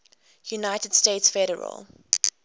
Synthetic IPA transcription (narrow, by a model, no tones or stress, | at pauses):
junaɪtəd̥steɪtsfɛɾə̰ɹə̰lˠ